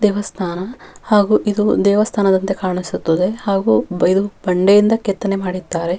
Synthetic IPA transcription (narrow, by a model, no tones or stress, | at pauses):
d̪ɛːʋɐst̪ʰaːnɐhaːɡuːʔid̪ud̪ɛːʋɐst̪ʰaːnɐd̪ɐnt̪e̞kaːɳisut̪ːɐd̪e̞haːɡuːbid̪ub̥ɐɳɖejind̪ɐket̪ːɐnemaːɽid̪ːaːɾe̞